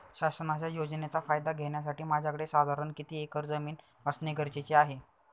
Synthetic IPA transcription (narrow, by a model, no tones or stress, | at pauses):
ɕasənat͡ɕjajod͡znet͡safajd̪aɡʱeɳ̃jas̬aʈiːmad͡ʑʱakəɽesad̪ʱaɾəɳkit̪iːekəɾd͡zəmiːn | əsneɡəɾt͡ɕet͡ɕeaɦe